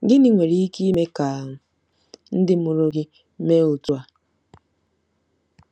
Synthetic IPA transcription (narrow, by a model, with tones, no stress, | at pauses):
ɡɪ˦nɪ˨ŋʷe˨ɾi˦i˦ki˦me˦ka˨ | n̩˦dɪ˦m̩˦ʊ˨ɾo˦ɡɪ˦ | me˦o˨tu˦a˨